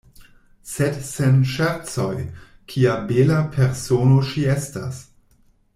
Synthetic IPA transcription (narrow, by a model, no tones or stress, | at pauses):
sedsenʃaɾt͡so̞j | kʰiabelapʰeɾsonoʃiesta̰s